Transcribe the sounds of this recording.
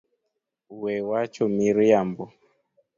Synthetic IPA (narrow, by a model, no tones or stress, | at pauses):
uwɛwat͡ʃɔmiɾiambɔ